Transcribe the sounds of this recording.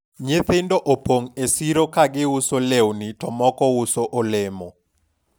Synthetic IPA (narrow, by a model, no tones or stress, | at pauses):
ɲeθɪndoʔopoŋesiɾokaɡɪusolewnitɔmɔkɔusoʔolemo